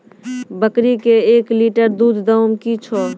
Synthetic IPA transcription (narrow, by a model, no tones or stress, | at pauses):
bəkɾikeekliʈəɾd̪ud̪ʱd̪əʊmkit͡ʃʰɔ